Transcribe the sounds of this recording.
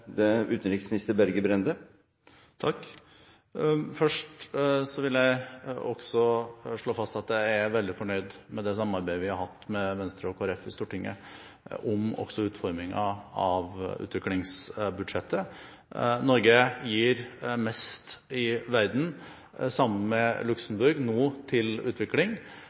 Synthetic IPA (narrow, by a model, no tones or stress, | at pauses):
d̪ɛʉːt̪ənɾɪksmɪnɪst̪əɾbæɾɡəbɾɛnd̪ə | t̪ʰɑkː | fœʂʈsɔʋɪljæɪɔɡ̥sɔʂɭoːfɑst̪ɑt̪d̪ææɾʋɛld̪ɪfɔɳœʏd̪mɛd̪ɛsɑmənɑɾbæɪəʋɪhɑɾɦɑt̪ːmɛʋɛnst̪ɾəɔkʰoːæɾɛfːɪst̪uːʈɪŋːə̰ | ʔɔmɔ̰ɡ̥sɔʉːt̪fɔɾmɪŋə̰ɑʋʉ̰ːt̪ʋɪklɪŋsbʉd̪ʂɛt̪ʰːə | nɔɾɡəjiːɾmɛst̪ɪʋæɾd̪n̩ | sɑmːənmɛlʉksəm̩bʉɾɡnoːt̪ʰɪlʉ̰ːt̪ʰʋɪklɪŋ